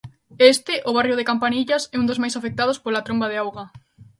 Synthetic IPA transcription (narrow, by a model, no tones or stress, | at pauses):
est̪ɪʔʊβ̞arjʊð̞ekampaniʎasɛũnd̪ozmajsafek̚t̪að̞ospolat̪ɾõmbað̞ɪawɣa